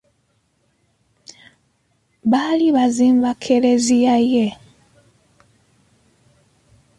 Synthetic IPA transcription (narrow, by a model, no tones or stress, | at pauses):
βaliβaziɱvakʰelezijaje